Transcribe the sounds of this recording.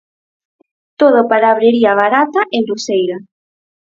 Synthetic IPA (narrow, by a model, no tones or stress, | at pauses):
t̪oðapalaβɾeɾiɐβ̞aɾat̪aʔenlusejɾa